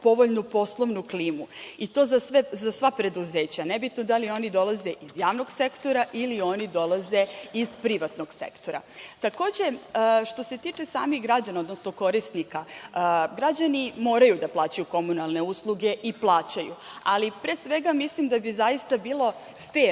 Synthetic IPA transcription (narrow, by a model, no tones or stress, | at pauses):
po̞ʋo̞ʎnupo̞slˠoʋnukliːmuit̪o̞ːzasʋezasʋapɾe̞d̪uze̞ːt͡ɕanɛbit̪nod̪alio̞nid̪o̞lˠazeʔizjaːʋnoɡsekt̪o̞ɾaʔilio̞nid̪o̞lˠaze̞izpɾiʋat̪noɡ̥sḛkt̪o̞ɾa̰t̪ako̞ːd͡ʑe̞əːʃt̪o̞se̞t̪it͡ʂesa̰ːmixɡɾad͡ʑanaod̪nosnoko̞ɾist̪nika | ɡɾad͡ʑanimo̞ːɾajud̪aplˠaːt͡ɕajuko̞munalˠne̞uslˠuɡe̞ʔiplˠaːt͡ɕajṵ | alipɾesʋeɡamislimd̪abizajist̪abiːlˠo̞ | feː